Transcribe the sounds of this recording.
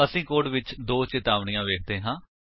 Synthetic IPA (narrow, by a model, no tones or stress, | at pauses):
əsĩːkoːɖʋɪt͡ʃd̪oːt͡ʃɪt̪aːʋɳijãːʋeːkʰd̪eːɦãː